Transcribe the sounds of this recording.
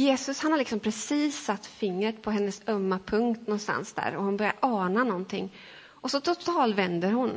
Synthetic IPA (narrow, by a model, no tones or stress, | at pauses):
jeːsɵshanhaɾɭɪksɔmpʰɾɛsiːsːat̪ːfɪŋːɾət̪pʰɔɦɛnːəsœmːapʰɵŋkt̪nɔnst̪a̰nsd̪æ̰ːɾɔhʊnbœɾja̰ɾʔɑːnanɔnt̪ʰɪŋː | ʔɔsɔt̪ʰʊt̪ʰɑːlt̪vɛnd̪əɾɦʊn